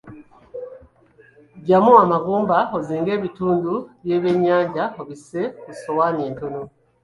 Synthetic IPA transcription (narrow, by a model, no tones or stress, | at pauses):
ɟamuamaɡuːmbaoziːŋɡe̞ːβituːnduβje̞βe̞ɲaːɲɟaoβise̞kusowaɲeːntono